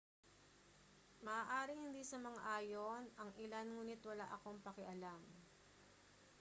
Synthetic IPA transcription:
mɐʔaːʔaːɾɪŋhɪnd̪isɐmɐŋaʔaːjo̞nʔɐŋʔɪlanŋuːnɪt̪wɐla̰ʔɐko̞ŋpɐkɛʔɐlam

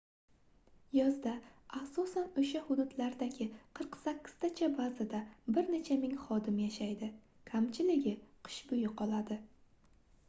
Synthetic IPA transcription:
jɒzd̪aasɒsanoʃahʊd̪ʊd̪laɾd̪aɡʲɪqʰɨɾqsakʲːɪ̥z̥t̪ʰat͡ʃʰabazad̪abɪɾne̞t͡ʃʰamɪŋχɒd̪ɪmjaʃajd̪ɪ | kʰamt͡ʃʰɪlɪɡʲɪqʰɨ̥ʃbʊjɪqʰɒlˠad̪ɪ

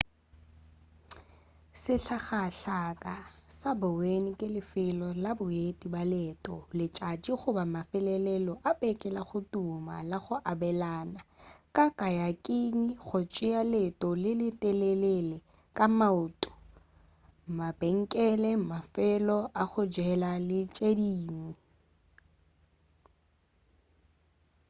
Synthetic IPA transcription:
sɪɬʰaχaɬakʼasabʊwenɪkʼɪlɪfɪlɔlabʊetʼibalɛtʼɔ̰lɪt͡ʃʼat͡ʃʼiχʊbamafɛlɛlɛlɔʔapʼɛkʼɛlaχʊtʼuma̰laχʊʔabɛlaːnakʼakʼajakʼiɲiχʊt͡ʃʼɪalɛtʼɔlɪlɪtʼɛlɛlɛlɛ | kʼamaʊtʼʊ̥ | mabɛŋ̩kʼɛlɛmafɛlɔʔaχʊd͡ʒɛlalɪt͡ʃʼediːŋi

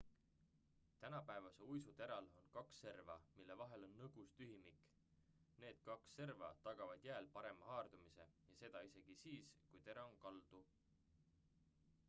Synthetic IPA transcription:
t̪ænɑpæevɑse̞ujsut̪e̞ɾɑlo̞nkɑksːe̞rvɑmilːe̞vɑɦe̞lo̞nːɤɡ̥ust̪yɦimikˑ | ne̞ːd̪̥̚kɑksːe̞rvɑ̰t̪ɑɡ̥ɑvɑd̪̥jæelpɑɾe̞mɑɦɑːrd̪̥umise̞jɑse̞d̪̥ɑise̞ɡ̥isiːskujt̪e̞ɾɑoŋkɑld̪̥u

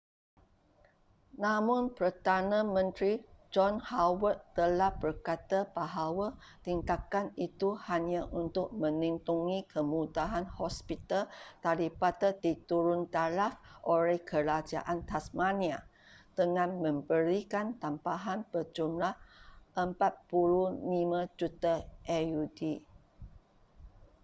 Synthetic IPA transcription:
nãmʊnpəd̪anãmə̃nt̪ɾid͡ʒɔnhawət̪̚t̪əlahbərkat̪ab̥aɦawat̪intakanit̪uhaɲaʔunt̪ʊk̚mə̃nint̪uŋikʰəmudaɦanhɔspit̪alt̪alipat̪ədit̪uɾʊnt̪alafʔoɾɛhkəɾad͡ʒa̰ʔant̪asmania | d̪̥əŋãnmə̃mbəɾikant̪ampaɦanb̥ərd͡ʒumlahʔəmpat̪̚pululimãd͡ʒut̪aʔɛjudi

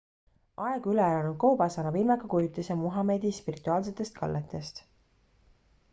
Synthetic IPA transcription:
ɑeɡ̥ylelɑnud̪̚kowbɑsɑnɑvilmekɑkujut̪ːˑesɑmuɦɑme̞d̪ispirit̪ːˑuɑːls̬e̞t̪ːˑe̞st̪̚kɑ̰lːet̪ːˑe̞st̪

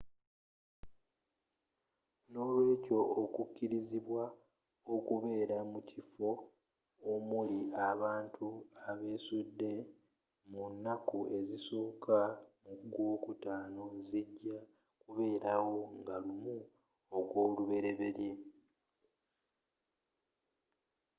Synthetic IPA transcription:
no̞ːlwe̞ːco̞okucːiɾiziβwa | okuβe̞ːɾamucifo̞ | omuliaβaːntʰuaβe̞ːsudːe̞ | munːakue̞ziso̞ːkamuɡoːkutaːno̞ziɟːa | kuβe̞ːɾawo̞ŋɡalumu | okwo̞ːluβe̞ɾe̞βe̞ɾje̞

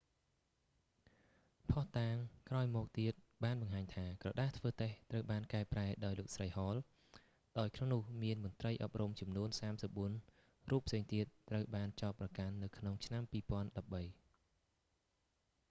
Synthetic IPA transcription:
pʰɑht̪aːŋkraɔjmɔːk̚t̪iət̪̚ɓaːnɓɑŋɦaːɲt̪ʰaːkrɑɗaːht̪ʰʋəːt̪eht̪rəwɓaːnkaɛpraɛɗaɔjloːk̚srəjhɑːl | ɗaɔjkʰnoŋnʊəhmiənmʊ̆ənt̪rəjʔɑp̚rumt͡ɕɑmnuənsaːmsəp̚ɓuən | ruːpʰːseːŋt̪iət̪̚ːrəwɓaːnt͡ɕaɔt̪̚prɑkanːɨwkʰnoŋt͡ɕʰnampiːpŏənɗɑp̚ɓəj

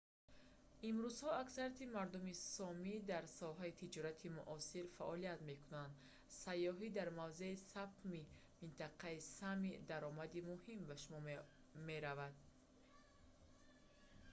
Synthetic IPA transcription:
imɾuz̥hɔaksaɾat̪imaɾd̪umisɔmid̪aɾsɔɦait̪ʰid͡ʒɔɾat̪ʰimuʔɔsiɾfaʔɔliat̪me̞kunand̪ | sajːɔɦid̪aɾmavze̞isapt̪mi | mint̪ʰaqʰaisamid̪aɾɔmad̪imuhimbaʃumɔ | me̞ɾavad̪̚

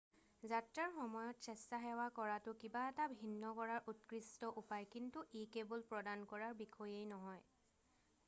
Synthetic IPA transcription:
zatɹaɹxɔmɔjɔtsɛstaɦɛwakɔɹatʊkibaɛtabʱinːɔkɔɹaɹʔutkɹistɔʔupajkintuʔekebɔlpɹɔdankɔɹaɹbikʰɔjejnɔɦɔj

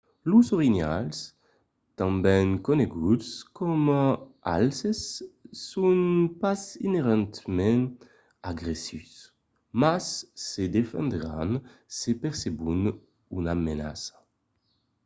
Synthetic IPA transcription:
luzoʁina̰ls | t̪ãmbɛŋkoneɡudskʰɔmaa̰lsesː | unpazineʁɑ̃nt̪mɛ̃n | aɡʁesys | masːed̪efɛ̰̃nd̪eʁa̰nsepɛʁsebun | unamena̰sḁ

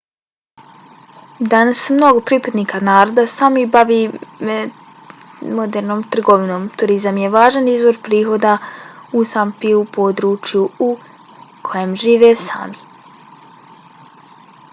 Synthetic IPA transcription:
d̪anasmno̞ɡo̞pɾipad̪niːkʰanaːɾo̞d̪asamibaʋiːme | mo̞d̪eɾno̞ːmt̪r̩ɡo̞ʋino̞ːmt̪uɾizamje̞ʋaːʒanizbo̞ɾpɾiːɦo̞d̪ausampiupo̞d̪ɾuːt͡ʃjuu | kʰo̞jemʒiːʋesa̰ːmi

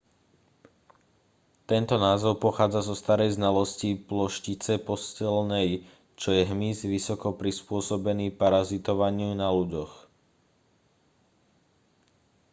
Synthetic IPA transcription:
t̪ɛnt̪ɔnaːzɔʊpɔxaːd͡zazɔst̪aɾɛjznalɔsciplɔʃcit͡sɛpɔscɛlnɛj | t͡ʃɔjɛɦmizʋisɔkɔpɾispʊɔsɔbɛniːpaɾazit̪ɔʋaɲɪunaluɟɔx

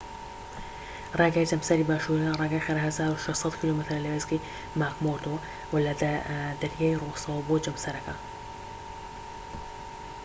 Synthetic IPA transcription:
rˤɑɡaːjd͡ʒɐmsɐɾiːbaːʃuɾiarˤɑːɡaːjxeɾɐɦɐzaːɾuʃeʃt̪sˤɑt̪kʰiloːmɪt̪ɾlɐwezqi | maːkmoɾd̪o | wɐlɐd̪ɐɾjaːjrosɑwɐboːd͡ʒɐmsɐɾɐkɐ

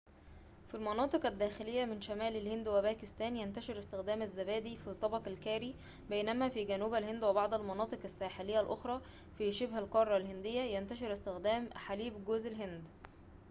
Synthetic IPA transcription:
filmɑnɑːt̪ˤɨqæd̪ːæːxɪlejːæmɪnʃæmæːlælhend̪webæːkɪst̪æːnjænt̪æʃeɾɪst̪ɪxd̪æːmæzːæbæːd̪iːfit̪ˤːɑbɑqælkæːɾiː | bæjnæmæfiːɡænuːbælhend̪webɑʕd̪ˤælmɑnɑːt̪ˤɨqæsːæːħelejːælʔoxɾˤɑː | fiʃebhælqɑrˤːɑlhend̪ɪjːæjænt̪æʃeɾɪst̪ɪxd̪æːmħaliːbɡoːzʔɪlɦend̪

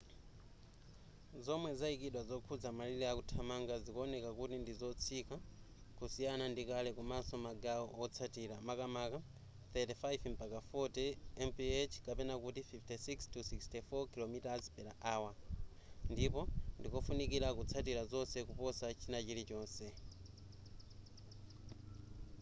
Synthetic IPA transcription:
zɔmwɛzaikiɗwazɔkʰud͡zamalilɛakutʰamaŋɡazikɔɔnɛkakutindizɔt͡sʰika | kusijanandikalɛkumasɔmaɡaɔɔt͡sʰatiɾamakamaka | θɛtifajvmpakafɔtɛɛmpiet͡ʃʰkapɛnakutififtɛsikstusikstɛfɔkilomitazpɛɾaʔaːwa | ndipɔndikɔfunik̬iɾakut͡sʰat̬iɾazɔnsɛkupɔsat͡ʃʰinat͡ʃilit͡ʃɔːnsɛ

